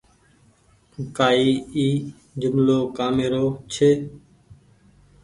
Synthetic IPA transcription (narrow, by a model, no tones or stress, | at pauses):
kaːiːiː | d͡ʒʊmloːkaːmeːɾoːt͡ʃʰeː